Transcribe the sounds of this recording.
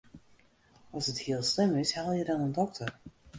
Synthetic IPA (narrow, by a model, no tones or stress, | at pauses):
ɔlˠsəthiəlˠslɪmɪshɛlˠjədɔnəndɔk̚tʰər